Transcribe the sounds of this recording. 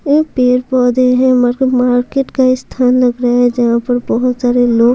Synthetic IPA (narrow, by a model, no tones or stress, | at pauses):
epeːɾpɔːd̪eɦɛ̃maːɾmaːɾkeːʈkaɪst̪ʰaːnlɐɡɾɦɛd͡ʒɐɦãpɐɾbɔɦʊt̪saːɾeloːɡ